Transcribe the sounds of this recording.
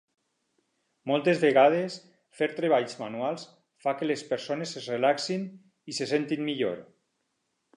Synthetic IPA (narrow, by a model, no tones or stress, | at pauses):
mɔlˠt̪ezβeɣað̞es | feɾt̪ɾeβ̞aʎzmanualˠs | fakelespeɾsonesezrelaksin | isesent̪inmiʎo̰ɾ